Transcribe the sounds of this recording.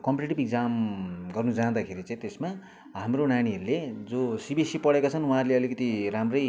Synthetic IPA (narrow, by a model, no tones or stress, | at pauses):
kʌmpiʈeʈibikd͡zamɡʌrnud͡zad̪akʰeɾit͡sãĩt̪esma | ɦamronañiɦʌɾuled͡zosibisipʌɽekat͡sʰʌnwuɦãɾuleʌlikʌt̪iɾamrʌj